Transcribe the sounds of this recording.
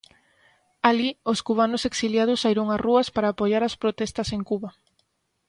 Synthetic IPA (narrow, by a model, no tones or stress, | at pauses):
alioskuβ̞anʊseksiljað̞ʊsaiɾʊŋaruɐspaɾaːpoʝaɾaspɾot̪ɛst̪ɐseŋkuβɐ